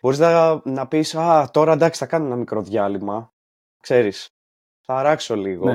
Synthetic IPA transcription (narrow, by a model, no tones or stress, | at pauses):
b̥o̞ɾiznɐnɐpisɐt̪o̞ɾɐd̪ɐksi̥θɐkɐnoenɐmikɾo̞ðʝɐlimɐ | kse̞ɾis | θɐɾɐkso̞liɣo